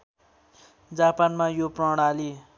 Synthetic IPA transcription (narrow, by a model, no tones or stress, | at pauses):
d͡zapanmajoprʌɽ̃ali